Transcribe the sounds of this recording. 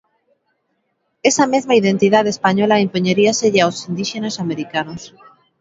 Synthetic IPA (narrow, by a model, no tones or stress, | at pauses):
esamezmaiðent̪iðað̞espaɲɔlaimpeɲeɾiaseʎeawsind̪iʃenasameɾikanos